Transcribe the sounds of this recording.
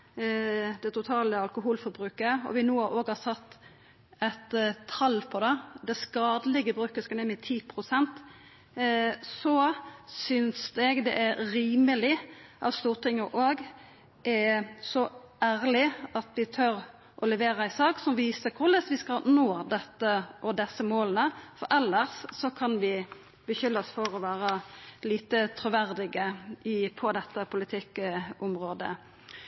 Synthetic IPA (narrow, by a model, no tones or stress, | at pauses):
d̪ɛt̪ʊt̪ʰɑːləɑlkʊɦuːlfɔbɾʉːkəɔ̰ʋɪnuːʔoːɡhɑsɑt̪ː | ɛt̪ʰːɑlpʰɔd̪ɛd̪ɛskɑːd̪lɪɡəbɾʉːkəskɑnɛmɪt̪ʰiːpʰʁʊsɛnt̪ | sɔsʏnsɛɡd̪ɛ̰ʔæɾiːməlɪʔɑ̰ʋst̪uːʁt̪ʰɪŋːəʔoːɡ | ʔɛsɔ | æːɾlɪɑt̪ʋɪt̪ʰœɾ | ʔɔlɛʋeːɾəæɪsɑːksɔmʋiːsəkʰʊlɛsʋɪskɑnoːd̪ɛt̪ːəʔɔd̪ɛsəmoːlənəfɔɾɛlːəʁsːɔkʰɑnʋɪ | bəçʏlːɑsfɔʁɔʋæːɾəliːt̪ət̪ʰɾʉʋæʁd̪ɪɡəɪpʰɔd̪ɛt̪ːəpʰʊlɪt̪ʰɪkːʊmʁoːd̪ə̰